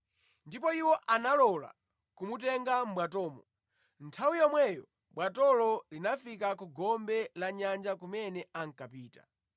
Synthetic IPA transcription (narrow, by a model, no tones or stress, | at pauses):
ndipɔiwɔʔanalɔla̰ | kumutɛŋɡam̩bwatɔːmɔ | ntʰawijɔmwɛjɔ | bwatɔlɔlinafikakuɡɔmbɛlaɲand͡ʒakumɛnɛaŋ̩kapiːtḁ̰